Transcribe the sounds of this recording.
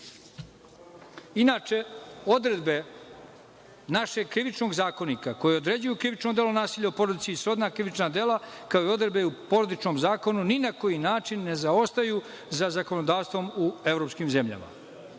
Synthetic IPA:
inaːt͡ʃe̞o̞d̪ɾe̞d̪be̞ | naʃe̞ɡkɾiʋit͡ʃno̞ɡzaːko̞nikako̞jeod̪ɾe̞d͡ʑujukɾiʋit͡ʃnomd̪e̞lonaːsiːʎaopo̞ɾod̪it̪sisɾo̞d̪nakɾiʋit͡ʃnad̪e̞ːlˠakaoio̞d̪ɾed̪be̞upo̞ɾod̪it͡ʃno̞mzaːko̞nuninako̞jinaːt͡ʃinːe̞zao̞st̪aju | zazako̞nod̪aːʋst̪ʋo̞mue̞ʋɾo̞pskimze̞mʎa̰ma̰

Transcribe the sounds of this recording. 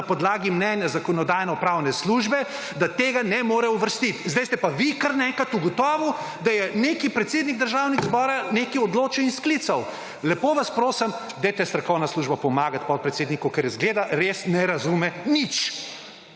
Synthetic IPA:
pɔd̪laːɡimnɛnjazakɔnɔd̪aːjnɔpɾawnɛsluːʒbɛ | d̪at̪eːɡanɛmoːɾɛuʋəɾst̪it̪zd̪ɛjst̪ɛpaʋikaɾnɛŋkat̪uɡɔt̪ɔːʋu | d̪ajɛnekipɾɛt̪seːd̪niɡ̚d̪əɾʒawniɡzbɔːɾanekiɔd̪loːt͡ʃiwinsklit̪saw | lɛpoːʋaspɾoːsɐm | d̪ɛjt̪ɛst̪ɾɐkɔwnasluʒbapɔmaːɡat̪̚pɔt̪pɾɛt̪seːd̪nikukɛɾjazɡleːd̪aɾesnɛɾazumɛnit͡ʃ

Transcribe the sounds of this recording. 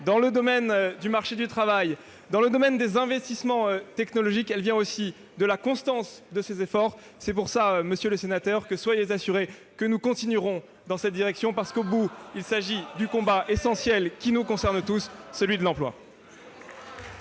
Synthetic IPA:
d̪ɑ̃ləd̪ɔmɛnd̪ymaʁʃed̪yt̪χavaj | d̪ɑ̃ləd̪ɔmɛnd̪ezɛ̃vɛst̪ismɑ̃øt̪ɛknɔlɔʒikɛlvjɛ̃osi | d̪əlakɔ̃st̪ɑ̃sd̪əsezefɔʁ | sɛp̬uʁsaøməsjøləsenat̪œʁkəswajezasyʁekənukɔ̃t̪inyʁɔ̃ | d̪ɑ̃sɛt̪̚d̪iʁɛksjɔ̃paʁsə̥kobuilsaʒid̪ykɔ̃baʔesɑ̃sjɛlkʲinukɔ̃sɛʁnt̪usːəlɥid̪əlɑ̃plwa̰

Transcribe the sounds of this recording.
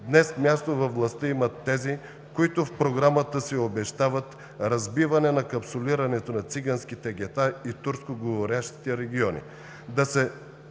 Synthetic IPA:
d̪nɛsmʲjast̪ovɐfvlˠɐst̪əimɐt̪ːɛzi | koit̪ʊfpɾoɡɾamət̪əsɛobɛʃt̪avɐt̪ | ɾɐzbivɐnɛnɐkɐpsoliɾɐnɛt̪onɐt̪siɡansk̟it̪ɛɡʲɛt̪ait̪uɾskoɡovoɾjaʃt̪i̥t̪ɛɾɛɡʲiɔnḭ | d̪ɐsɛ

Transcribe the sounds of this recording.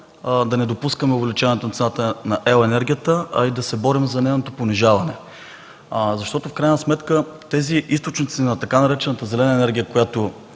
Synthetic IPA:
d̪ɐnɛd̪opuskəmɛovlɛt͡ʃaɐnɛt̪onɐt̪nat̪ənɐʔɛʊɛnɛɾɡʲijət̪əɐ̰id̪ɐsɛbɔɾimzɐnɛnot̪oponiʒavɐnɛ | zɐʃt̪ɔt̪ʊfkɾajnɐsmɛt̪kət̪ɛziʔist̪ot͡ʃnit̪sinɐt̪ɐkanɐɾɛt͡ʃɛnət̪əzɛlɛnəɛnɛɾɡʲijəkojat̪o

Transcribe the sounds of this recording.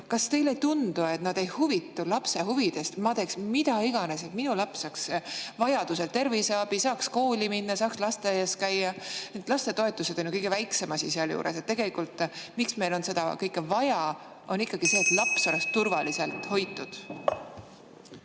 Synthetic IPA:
kɑst̪e̞jlejt̪und̪̥ue̞t̪nɑd̪̥e̞jhuvit̪ːulɑpse̞ɦuvid̪̥e̞st̪mɑd̪e̞ksmid̪̥ɑiɡ̥ɑnes̬et̪minulɑpsɑksvɑjɑd̪̥use̞lt̪e̞rvise̞ɑb̥isɑːksko̞ːlʲiminːɑsɑːkslɑst̪eeskæjːɑet̪ːˑlɑst̪e̞t̪o̞e̞t̪ːˑuse̞d̪̥o̞njukɤjɡ̥evæjkse̞mɑsiseɑljṵːɾʔḛs̬et̪ːe̞ɡe̞likːˑult̪ˑmiksme̞jlo̞nse̞d̪̥ɑkɤjkːˑevɑjɑ | o̞nikːˑɑɡ̥ise̞ːt̪lɑpsolest̪ːurvɑlise̞lt̪ho̞jt̪ːˑud̪̥

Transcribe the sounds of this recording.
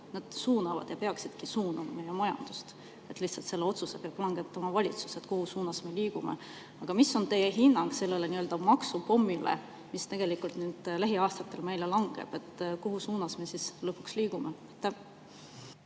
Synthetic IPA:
nɑd̪̥suːnɑvɑ̰d̪̥jɑpe̞ɑksid̪̥kisuːnɑmɑme̞jemɑjɑ̰nd̪̥ust̪ | e̞t̪ˑliht̪sɑlt̪se̞lːe̞o̞t̪suse̞peɑb̥lɑŋɡ̥e̞t̪ːˑɑmɑvɑlʲit̪su̥se̞t̪kohusuːnɑsme̞liːɡ̥umḛ | ɑɡ̥ɑmisːo̞nt̪e̞jeɦinːɑŋɡ̥se̞lːe̞le̞niø̞ld̪̥ɑmɑksupo̞mːilḛ | mist̪e̞ɡ̥e̞likult̪nyːd̪̥læɦiɑːst̪ɑt̪ːˑe̞lme̞jle̞lɑŋɡ̥ḛb̥e̞t̪ːkoɦusuːnɑsme̞sislɤpːˑu̥ksliːɡ̥ume | t̪ːe

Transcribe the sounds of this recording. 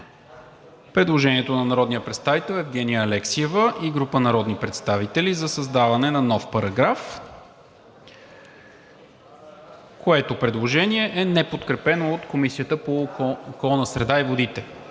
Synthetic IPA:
pɾɛd̪lˠoʒɛniɛt̪onɐnɐɾɔd̪nijəpɾɛt̪st̪avit̪ɛlˠɛvɡ̟ɛnijəːlɛksiɛvəʔiɡɾupənɐɾɔd̪nipɾɛt̪st̪avit̪ɛlizɐsɐzd̪avɐnɛnɐnɔfpɐɾɐɡɾaf | koɛt̪opɾɛd̪lˠoʒɛniɛʔɛnɛpot̪kɾɛpɛnoːt̪komisiət̪əpookɔlˠnəsɾɛd̪aivod̪it̪ɛ

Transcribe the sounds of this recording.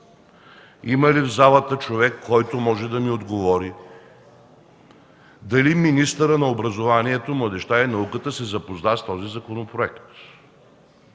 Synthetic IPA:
imɐlivzalˠət̪ət͡ʃovɛkʰːɔjt̪omɔʒɛd̪ɐmiod̪ɡovɔɾi | d̪ɐliminist̪əɾənɐobɾɐzovaniɛt̪omlˠɐd̪ɛʃt̪ainɐukət̪əsɛzɐpoznast̪ɔzizɐkonopɾoɛkt̪

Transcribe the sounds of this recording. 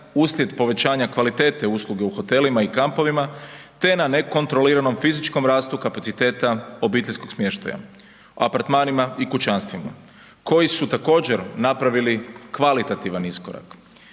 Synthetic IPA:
uːslje̞d̪po̞ʋe̞t͡ɕaːɲakʋalit̪e̞ːt̪euslˠuɡe̞uxo̞t̪e̞limaikampo̞ʋimat̪e̞nane̞ko̞nt̪ɾo̞liɾano̞mfizit͡ʃko̞mɾaːst̪ukapat̪sit̪e̞ːt̪ao̞biːt̪eʎʲsko̞ɡsmjeʃt̪a̰ja̰ | oapaɾt̪maːnimaikut͡ʃanst̪ʋima̰ | ko̞jisut̪ako̞ːd͡ʑeɾnapɾaʋilikʋalit̪at̪iʋaniskoɾa̰k

